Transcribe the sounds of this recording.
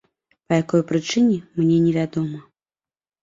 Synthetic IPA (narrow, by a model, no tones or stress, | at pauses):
pɐjakɔjpɾɨt͡ʂɨnʲɛmnʲɛnʲɛvʲad̪ɔmɐ